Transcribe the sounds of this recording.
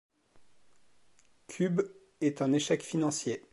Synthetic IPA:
kʲʰyb | ɛt̪ɛ̃neʃɛkfinɑ̃sje

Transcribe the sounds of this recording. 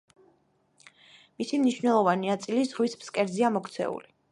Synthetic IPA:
misimniʃvnɛlˠɔvaninat̪sʼilizʁwispskʼɛɾziamɔkʰt̪sʰɛ̰ṵli

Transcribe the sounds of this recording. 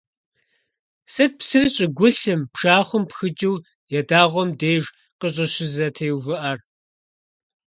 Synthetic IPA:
sɨt̚psɨrɨɕʼɪɡʷʊɬɨmpʂaːχʷʊmpxɨd͡ʒʼɪw | jɛdaːʁʷɔmdeːʒ | qəɕ̬ʼɐɕɪzɐtʰeːwvɨʔɐr

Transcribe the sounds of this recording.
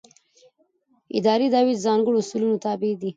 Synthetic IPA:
ɪ̰d̪ɑɾid̪ɑwid̪zɑŋɡəɽoʊsulunot̪ɑbed̪i

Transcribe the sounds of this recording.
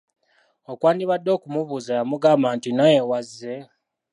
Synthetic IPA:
okwaːniβadːo̞ːkumuβuzajamuɡaːmbantinajewazːe̞

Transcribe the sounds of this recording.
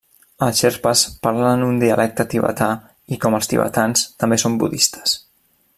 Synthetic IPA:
əʃɛɾpəspaɾlənd̪und̪iəlʔɛk̚t̪ət̪iβə̰t̪a | ikɔməlˠst̪ḭβə̰t̪anst̪əmbesombṵðist̪ə̥s

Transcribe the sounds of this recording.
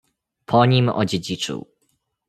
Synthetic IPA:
pʰɔɲimɔ̰d͡ʑed͡ʑit͡ʂɨ̰w

